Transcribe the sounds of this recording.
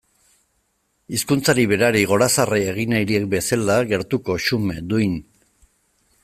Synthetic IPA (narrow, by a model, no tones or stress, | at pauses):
iskunt͡saɾiβe̞ɾaɾiɣ̞o̞ɾasaree̞ɣ̞inajɾiek̚be̞salaɣe̞ɾt̪uko̞ʃumed̪ujn